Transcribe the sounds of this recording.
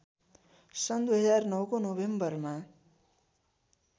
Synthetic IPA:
sʌnd̪ujɦʌd͡zarnʌwkonobembʌrma

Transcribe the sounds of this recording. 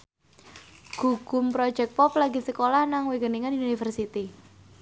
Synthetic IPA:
ɡ̥uɡ̥ʊmpɾɔ̥d͡ʒɛk̚pɔplaɡisəkolahnaŋweɡəniŋaniunifərsit̪i

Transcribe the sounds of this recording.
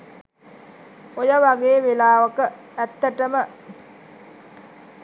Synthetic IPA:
ojəʋaɡeːʋelaːʋəkə | æt̪ːəʈəmə

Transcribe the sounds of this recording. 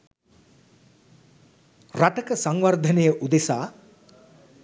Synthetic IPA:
raʈəkəsaŋʋard̪ʱənejəʔud̪esaː

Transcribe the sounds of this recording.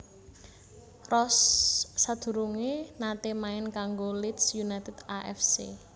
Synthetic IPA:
rɔsːad̪̥ṳɾuŋenat̪emaɪnkaŋɡolit̪sjunajt̪ɛd̪̥aʔɛ̰fsḛ

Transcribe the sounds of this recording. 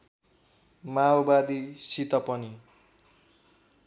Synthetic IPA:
maobad̪isit̪ʌpʌni

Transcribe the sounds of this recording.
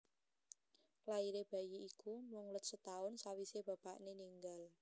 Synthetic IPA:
laiɾeb̥ä̤jiːkumʊŋlət̪̚sət̪aʊnsawiseb̥ä̤paʔneniŋɡal

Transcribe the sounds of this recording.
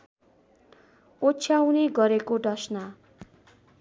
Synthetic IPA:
ot͡sʰjawneɡʌɾekoɖʌsna

